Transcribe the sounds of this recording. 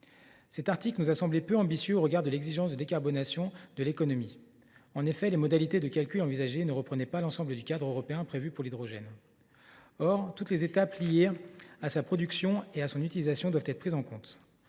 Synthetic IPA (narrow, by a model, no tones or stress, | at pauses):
sɛt̪aʁt̪iklənuzasɑ̃blepøɑ̃bisjøoʁəɡaʁd̪əlɛɡziʒɑ̃sd̪əd̪ekaʁbɔnasjɔ̃d̪əlekɔnɔmi | ɑ̃nefɛlemɔd̪alit̪ed̪əkalkʲylɑ̃vizaʒenəʁəpχənɛpalɑ̃sɑ̃bləd̪ykʲad̪ʁøʁɔpeɛ̃pχevypuʁlid̪ʁɔʒɛn | ɔʁt̪ut̪lezet̪aplijeasapχɔd̪yksjɔ̃easɔ̃nyt̪ilizasjɔ̃d̪wavt̪ɛt̪χəpχizɑ̃kɔ̃t̪